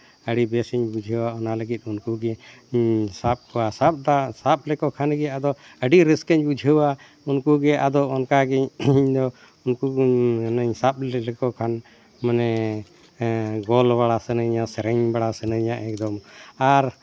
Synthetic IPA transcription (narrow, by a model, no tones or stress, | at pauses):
əɽibɛsiɲbud͡ʒʱəwaɔnaləɡit̪̚ˀunkuɡɛ | sap̚kɔwasap̚d̪asap̚lɛkɔkʰanɡɛad̪ɔ | əɖiɾiskɛɲbud͡ʒʱəwa | unkuɡɛʔad̪ɔɔnkaɡɛɲɲd̪ɔ | unkunəɲsap̚lɛkɔkʰan | manɛ | ɡɔlbaɽasənəɲasɛɾɛɲbaɽasənəɲaʔɛk̚d̪ɔmaɾ